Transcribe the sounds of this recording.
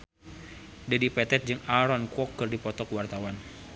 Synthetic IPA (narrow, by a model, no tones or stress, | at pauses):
dadipɛt̪ɛt̪̚d͡ʒɨŋaɾɔnkɔkːɨrdipɔt̪ɔkəwart̪awan